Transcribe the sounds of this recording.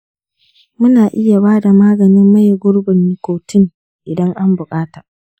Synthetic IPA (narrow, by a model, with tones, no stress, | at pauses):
mʊ˦naː˨ʔɪ˦ja˨baː˦da˨maː˦ɡɐ˨nɪ˦mːɐ˦jɡʷʊ˦ɽbʊ˨nːɪ˨kʷoː˨tɪ˦ŋ | ʔɪ˨dɐ˦ŋʔa˦mbʊ˨kʼaː˦ta˨